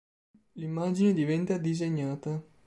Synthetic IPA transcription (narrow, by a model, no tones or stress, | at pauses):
limːaːd͡ʒined̪ivɛnt̪ad̪izeɲːaːt̪a